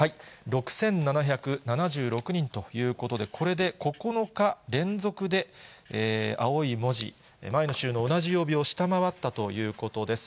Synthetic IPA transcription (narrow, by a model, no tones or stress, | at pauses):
haiɾo̞kɯ̟̥sẽ̞nːanaçakɯ̟nanaʑɨːɾo̞kɯ̟ɲ̟ĩnt̪o̞jɯ̟ːko̞t̪o̞d̪e̞kʰo̞ɾe̞d̪e̞ko̞ko̞no̞kaɾẽ̞nzo̞kɯ̟d̪e̞eːa̰oimo̞ʑḭ | maenoɕɨːno̞ːnaʑijo̞ːbʲio̞ɕi̥t̪amaβat̪ːat̪o̞jɯ̟ːko̞t̪o̞d̪e̞sɨ̥